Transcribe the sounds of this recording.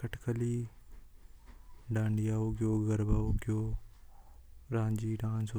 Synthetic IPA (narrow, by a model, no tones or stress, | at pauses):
kəʈkəliː | ɖãːɳɖijaːoɡjoːɡɐɾbaokjoː | ɾãːɲd͡ʒiːɖãːnso